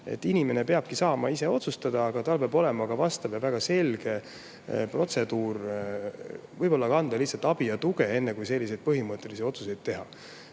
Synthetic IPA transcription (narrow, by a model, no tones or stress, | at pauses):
e̞̰t̪ːˑinime̞ne̞pe̞ɑb̥kisɑːmɑise̞o̞t̪sust̪ɑd̪̥ɑːɡ̥ɑt̪ɑlpeɑbo̞lɛmɑːɡ̥ɑvɑst̪ɑbjɑvæɡ̥ɑse̞lʲɡ̥e̞ | pro̞t̪se̞d̪uːr | vɤjbo̞lːɑkɑnd̪ɑliht̪sɑlt̪ːˑɑbijɑt̪uɡe̞e̞nːekujse̞lːised̪̚pɤɦimɤt̪ːˑe̞lis̬io̞t̪suse̞jd̪̥̚t̪ːe̞ɦɑ